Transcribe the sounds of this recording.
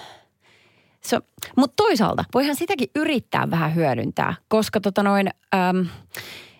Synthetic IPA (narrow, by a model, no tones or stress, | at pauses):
somut̪t̪ːoisɑ̰ːlt̪ɑʋoihɑnsit̪ækiʔʔyrit̪ːæ̰ːʋʋæhæɦyæɾy̰nt̪æ̰ːkoskɑt̪ot̪ɑnoinəːm